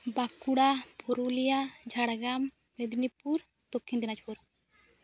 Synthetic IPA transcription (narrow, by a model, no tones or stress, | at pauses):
bakuɽapʰɔɾulijad͡ʒʱaɽɡamː | ɛd̪nipuɾ | t̪ɔkʰːind̪inat͡ʃɔɾ